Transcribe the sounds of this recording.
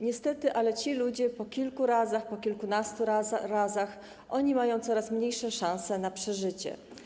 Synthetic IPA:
ɲɛst̪ɛt̪ɘʔalɛt͡ɕilud͡ʑɛpɔkʲilkuɾazaxpɔkʲilkunast̪uɾazax | ʔɔɲimajɔ̃w̃t̪sɔɾasmɲejʂɛʂãw̃sɛnapʂɛʐɘt͡ɕɛ̰

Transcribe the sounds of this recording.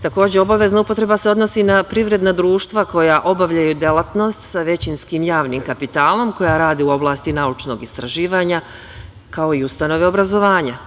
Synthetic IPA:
t̪ako̞ːd͡ʑe̞o̞baʋe̞znaupo̞t̪ɾe̞base̞o̞d̪no̞sinapɾiʋɾe̞d̪nad̪ɾuːʃt̪ʋako̞jaʔo̞baʋʎajud̪elˠat̪no̞st̪saʋe̞t͡ɕinskiːmjaːʋniːmkapit̪aːlˠo̞mko̞jaɾaːd̪iuo̞blˠaːst̪inaut͡ʃno̞̰ɡist̪ɾaʒiːʋaːɲa | kao̞iust̪ano̞ʋe̞o̞bɾazo̞ʋaːɲa

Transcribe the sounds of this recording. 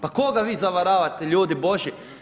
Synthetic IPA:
pakoɡaʋiːzaʋaɾaːʋat̪eʎuːd̪iboʒi

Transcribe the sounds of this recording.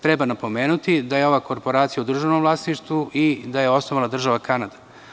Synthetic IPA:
t̪ɾebanapo̞meːnut̪id̪ajeo̞ʋako̞ɾpo̞ɾaːt̪sijaud̪r̩ʒano̞mvlˠaːsniʃt̪ʋuʔid̪aje̞o̞snoʋalˠad̪r̩ʒaʋakanad̪ḁ

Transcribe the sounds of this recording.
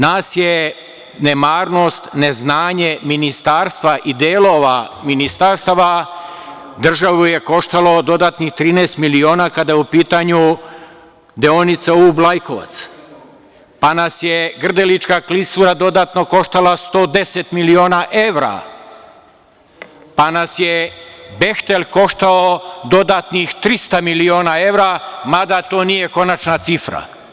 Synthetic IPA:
naːsje | nemaːɾno̞st̪neznaːɲeminist̪aːɾst̪ʋaʔid̪eːlˠoʋaminist̪aɾst̪aʋa | d̪r̩ʒaʋuje̞ko̞ʃt̪alˠod̪o̞d̪aːt̪nixt̪ɾiːneːst̪milioːnaːkad̪ajɛupiːt̪aɲu | d̪eonit̪sauublˠajkoʋa̰t̪s | panasjeɡr̩d̪elit͡ʃkaklisuɾad̪o̞d̪aːt̪no̞ko̞ʃt̪alast̪o̞ːd̪e̞set̪milio̞ːnaʔe̞ʋɾa̰ | panasjebe̞xt̪elʲko̞ʃt̪aod̪o̞d̪at̪nixt̪ɾist̪amilio̞ːnae̞ʋɾamad̪at̪oːnije̞ko̞nat͡ʃnat̪sifɾa̰

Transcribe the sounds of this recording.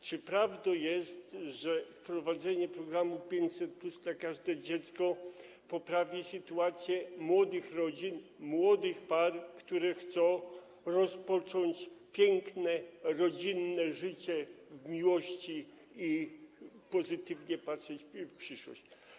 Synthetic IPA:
t͡ʂɨpɾavd̪ɔjɛst̪ʐɛfpɾɔvad̪zɛɲɛpɾɔɡɾamupʲjeɲt͡ɕsɛt̪̚plusd̪lakaʐd̪ɛd͡ʑɛt̪skɔ | pɔpɾavʲisɘt̪uat̪sʲjɛmwɔd̪ɘxɾɔd͡ʑinmwɔd̪ɘxparkt̪uɾɛxt̪sɔ̃w̃ | ɾɔspɔt͡ʂɔɲt͡ɕpʲjɛŋknɛɾɔd͡ʑinːɛʐɘt͡ɕɛvmʲiwɔɕt͡ɕi | i | pɔzɘt̪ɘvɲɛpatʂɛt͡ɕfpʂɘʂwɔ̰ɕt͡ɕ

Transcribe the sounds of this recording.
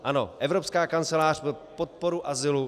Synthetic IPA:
ʔano̞̰ʔɛvɾopskaːkant͡sɛlaːr̥popot̪̚po̞ɾuʔazɪlu

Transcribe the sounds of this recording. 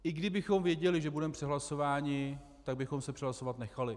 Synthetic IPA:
ʔɪɡdɪbɪxo̞mvjɛɟɛlɪʒɛbudɛmpr̝̥ɛɦlaso̞vaːɲɪ | t̪aɡ̚bɪxo̞msɛpr̥ɛɦlaso̞vat̪nɛxalɪ

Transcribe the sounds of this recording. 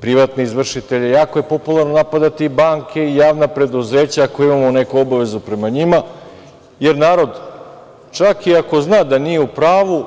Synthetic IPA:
pɾiʋat̪neizʋr̩ʃit̪e̞ʎejaːkoje̞po̞pulˠaɾnonapad̪at̪iːbaːŋkʰe̞ijaːʋnapɾe̞d̪uzeːt͡ɕaːkojimamone̞kuobaʋe̞zupɾe̞maɲima | je̞ɾnaːɾo̞d̪ | t͡ʃakiako̞znaːd̪anijeupɾaːʋu

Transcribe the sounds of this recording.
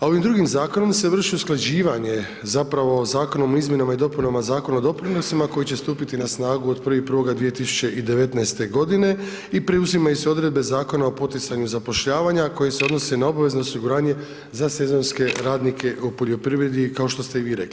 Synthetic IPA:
ao̞ʋimd̪ɾuɡimzaːkono̞mse̞ʋr̩ʃiusklˠad͡ʑiːʋaɲe̞ | zapɾaʋo̞ːzaːko̞no̞moizmje̞namaid̪o̞punamazaːko̞naod̪o̞pɾino̞simako̞jit͡ɕe̞st̪uːpit̪inasnaːɡuod̪pr̩ʋipər̩ʋo̞ɡad̪ʋije̞t̪isu̥t͡ɕe̞ʔid̪e̞ʋe̞t̪naest̪e̞ɡo̞d̪ine̞ | ipɾeuzimajuseo̞d̪ɾe̞d̪̚be̞zaːko̞nao̞po̞t̪it̪saɲuzapo̞ʃʎaːʋaɲakoje̞se̞o̞d̪no̞se̞nao̞baʋe̞zno̞ːsiɡuɾaːɲe̞ | zase̞zo̞nske̞ɾaːd̪nikʰe̞ʔupoʎʲjo̞pɾiʋɾe̞d̪ikao̞ʃt̪o̞st̪e̞iʋiːɾe̞̰kli

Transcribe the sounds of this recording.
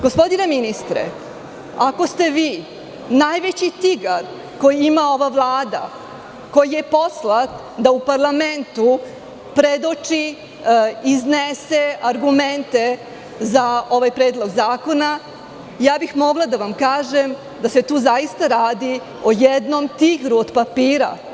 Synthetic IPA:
ɡospo̞d̪ineminist̪ɾḛ | ako̞st̪e̞ʋiː | najʋet͡ɕit̪iɡaɾ | ko̞jiimao̞ʋaʋlˠaːd̪a̰ | ko̞jijepo̞slˠat̪ | d̪aupaɾlˠament̪u | pɾed̪ot͡ʂi | izneseaɾɡument̪e̞ | zao̞ʋajpɾeːd̪lˠo̞ɡzaːko̞na | jaːbixmo̞ɡlˠad̪aʋamkaːʒem | d̪aset̪uːzajist̪aɾaːd̪i | ojed̪nomt̪iɡɾuod̪papiːɾa̰

